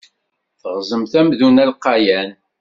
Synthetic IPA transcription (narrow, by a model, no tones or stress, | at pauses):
θəʁzˤəmθæmðunælqːɑjæn